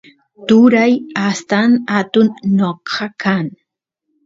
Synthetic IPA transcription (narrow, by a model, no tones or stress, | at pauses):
t̪ʊɾajast̪anat̪ʊnːoqʰɑkʰan